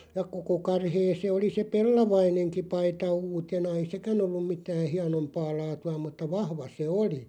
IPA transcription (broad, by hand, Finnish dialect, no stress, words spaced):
jɑ koko kɑrheː se oli se pelːɑʋɑineŋki pɑitɑ uːtenɑ ei sekæn olːum̆ mitæː hiɑnompɑː lɑːtuɑ mutːɑ ʋɑhʋɑ se oli